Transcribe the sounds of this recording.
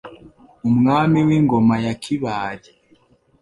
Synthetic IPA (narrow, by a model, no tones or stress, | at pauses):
umŋaːmiwiŋɡomajakʰiβaːɾe